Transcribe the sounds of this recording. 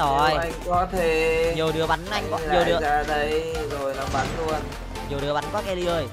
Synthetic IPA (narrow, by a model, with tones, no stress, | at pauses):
ɔ˨˩˧ja˧jŋkɔ˨˦t̪ʰe˧˩˦ɲə˨˩wɗɨ˨˩əɓa˨˦nʔa˧jŋkɔ˨˦lə˨˩˨ɗɨ˨˦əaː˧ɗə˨˦jzo˨˩jlaː˨˩ɓa˨˦nlu˧ən | ɲɨ˨˩wɗɨ˨˦əɓa˨˦nkɔ˨˦kɛ˧li˧ʔəː˧˩j